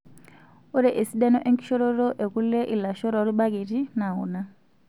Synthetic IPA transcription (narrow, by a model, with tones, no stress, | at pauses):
u˦ɾɛ˦ʔe˨si˦ɗɛ˦nɔ˦ʔe˦ŋkʼi̥˦ʃɔ˦ɾɔɾɔ˦ʔe˨ku˦le˦ʔi˨la˨ʃɔ˦ɾa˨u˦ɾi˦ɓa˦ke˨ti˦na˨ṵː˨na˦